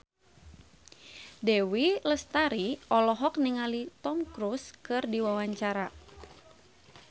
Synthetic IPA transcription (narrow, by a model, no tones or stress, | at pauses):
dɛwiləst̪aɾiʔɔlɔɦɔk̚niŋalit̪ɔmkɾuskɨrdiwawaɲt͡ʃaɾa